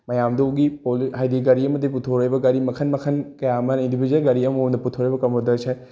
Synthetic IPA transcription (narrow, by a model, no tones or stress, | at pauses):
mɐjaːmd̪oɡipolɦajd̪iɡɐɾiɐmɐd̪eput̪ʰoɾejbɐɡɐɾimɐkʰɐnmɐkʰɐnkɐjamɐnĩnd̪ibid͡ʒɐnɡɐɾiɐmond̪ɐput̪ʰoɾebɐkɐmod̪ɐsʰe